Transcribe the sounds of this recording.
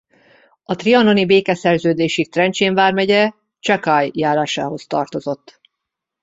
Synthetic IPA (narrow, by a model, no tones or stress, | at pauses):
ɒt̪riɒno̞nibeːkɛsɛrzøːd̪eːʃit̪rɛnt͡ʃeːɱvaːrmɛɟɛ | t͡ʃɒkajːaːɾaːʃa̰ːɦo̞st̪ɒrt̪o̞zo̞t̪ː